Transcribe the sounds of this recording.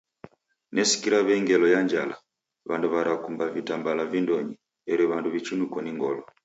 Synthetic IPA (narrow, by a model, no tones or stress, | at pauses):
nɛsi̥kiɾaβɛŋɡɛlɔjaɲd͡ʒa̰la̰ | βanduβaɾakumbavitambalavindɔɲi | ɛɾɛβanduβit͡ʃunukɔniŋɡɔlɔ